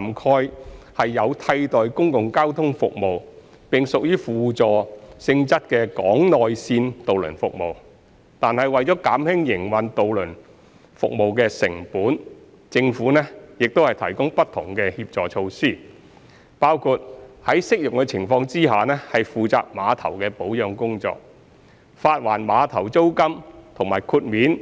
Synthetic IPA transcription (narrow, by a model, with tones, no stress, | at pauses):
mkʰɔː˧jhɐ˨jːɐ˨˧wt̪ʰɐ˧jt̪ɔː˨jkʊ˥ŋkʊ˨ŋkaː˥wt̪ʰʊ˥ŋfʊ̰˨k̚mo˨w | pɪ˨ŋsʊ˨k̚jyː˥fuː˨˩t͡sɔː˨sɪ˧ŋt͡sɐ˥t̚kɛː˧kɔː˨˥ŋnɔː˨jsiː˧nt̪o˨wlɵ̰˨˩nfʊ̰˨k̚mo̰˨w | t̪aː˨nhɐ˨jwɐ˨jt͡sɔː˨˥kaː˨˥mhɪ˥ŋjɪ˨˩ŋwɐ˨nt̪o˨wlɵ˨˩n | fʊ̰˨k̚mo˨wkɛː˧sɪ̰˨˩ŋpuː˨˥n | t͡sɪ˧ŋfuː˨˥nɛ˥jɪ˨k̚t̪o˥hɐ˨jt̪ʰɐ˨˩jkʊ˥ŋpɐ˥t̪ʰːʊ˨˩ŋkɛ˧hiː˧p̚t͡sɔː˨t͡ʃʰo˧wsiː˥˩ | paː˥wkʰu˧t̚hɐ˨˥jsɪ˥k̚jʊ˨k̚kɛː˧t͡sʰɪ˨˩ŋfɔː˧ŋt͡siː˥ɦaː˨nɛː˥hɐ˨jfuː˨t͡sa̰ː˧k̚maː˨˧t̪ʰɐ̰˨˩wkɛː˧po˨˥wjœː˨˧ŋkʊ˥ŋt͡sɔ̰ː˧k̚ | faː˧t̚waː˨˩nmaː˨˧t̪ʰɐ˨˩wt͡so˥wkɐ˥mt̪ʰʊ˨˩ŋmaː˨˩jkʰuː˧t̚miː˨˥n